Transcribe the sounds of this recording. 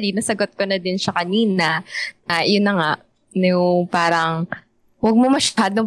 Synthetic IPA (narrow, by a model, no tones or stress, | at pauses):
linɐsɐɡot̪̚konɐd̪ɪnʃɐkɐniːnɐnɐjʊnːɐŋaʔ | npaːɾɐŋ | wɐɡ̚momɐʃaːd̪o